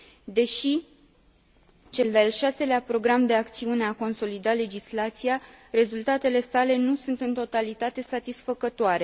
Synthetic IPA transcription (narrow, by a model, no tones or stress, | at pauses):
d̪e̞ʃi | t͡ʃe̞ld̪alʃase̞leapɾo̞ɡɾamd̪e̞akt̪siune̞ako̞nso̞lid̪ale̞d͡ʒislat̪sijare̞zult̪at̪e̞le̞sale̞nusunt̪ɨnt̪o̞t̪alit̪at̪e̞sat̪isfəkət̪oaɾe̞